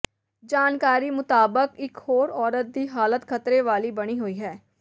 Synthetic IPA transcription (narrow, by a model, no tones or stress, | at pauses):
d͡ʒaːnkaːɾiːmʊt̪aːbəkɪkhoːɾɔːɾət̪̚d̪iːɦaːlət̪kʰət̪ɾeʋaːliːbəɽ̃iːɦoiːɦɛː